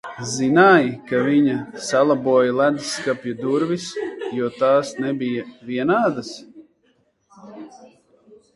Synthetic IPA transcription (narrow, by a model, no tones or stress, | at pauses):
zinaːjkaviɲasalˠabuɔjalˠæd̪iskapʲjad̪uɾvisjuɔt̪aːsnɛbʲijavʲiɛnaːd̪as